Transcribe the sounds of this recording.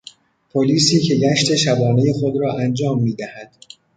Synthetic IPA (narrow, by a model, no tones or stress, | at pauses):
pʰoliːsiːcʰe̞ɟæʃt̪ʰe̞ʃæbɒːne̞je̞xo̞d̪ɾɒːʔænd͡ʒɒːmːiːd̪æhæd̪̥